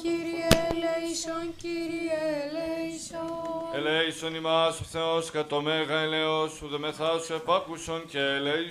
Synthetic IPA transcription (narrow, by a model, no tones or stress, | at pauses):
ciɾieleisonciɾielesoeleisonimɐsθeoskɐt̪omeɣɐeleosuðemeθɐsuepɐkusoncele